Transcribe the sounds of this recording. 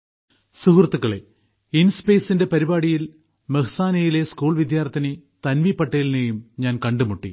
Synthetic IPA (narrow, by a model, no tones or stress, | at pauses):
suɦrɐt̪ːukːɐɭḛ | inspeːsinde̞pɐɾibaːɽijil | meɦɐsaːnɐjile̞skuːɭʋid̪jaːrt̪ʰːinet̪ɐnʋipːɐʈːejilnejumɲaːnkɐɳɖumuʈːḭ